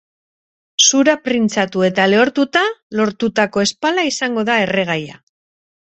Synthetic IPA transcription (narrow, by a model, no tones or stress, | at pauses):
suɾapɾint͡sat̪ue̞t̪ale̞o̞ɾt̪ut̪alo̞ɾt̪ut̪ako̞e̞spalaisaŋɡo̞ðae̞re̞ɣ̞aja̰